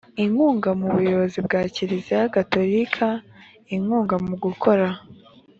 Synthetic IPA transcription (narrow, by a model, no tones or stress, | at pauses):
iŋuːŋɡamuβujo̞βo̞zibɡaːciɾizijaɡato̞ɾikʰa | iŋuːŋɡamuɡukʰo̞ɾa